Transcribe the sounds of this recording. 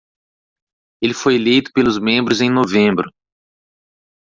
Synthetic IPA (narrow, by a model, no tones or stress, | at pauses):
elɪfojlejt̪ʊ̥pelʊzmẽmbɾʊzẽj̃novẽmbɾʊ